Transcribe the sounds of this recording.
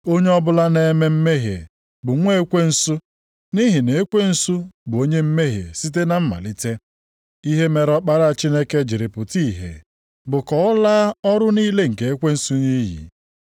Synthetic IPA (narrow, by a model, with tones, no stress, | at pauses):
o˦ɲe˦ɔ˦bʊ˦la˦ne˨˦me˦m̩˦me˦ɦjḛ˨ | bʊ˨ŋʷe˦e˦kʷe˦n̩˦sʊ˦ | ni˦ɦi˨ne˨e˦kʷe˦n̩˦su˦bʊ˨o˦ɲe˦m̩˦me˦ɦjḛ˨si˦t̬e˦na˦m̩˦ma̰˨li˦te˦ | i˦ɦe˦me˨ɾɔ˦k͡pa˦ɾa˦˨t͡ʃi˦ne˦ke˦d͡ʒi˨ɾi˨pʊ˨ti˦˨ɦḛ˨ | bʊ˨kɔ˨ɔ˦la˦ɔ˦ɾʊ˦niː˦le˦ŋ̩˨ke˨e˦kʷe˦n̩˦su˦ni˦jḭ˨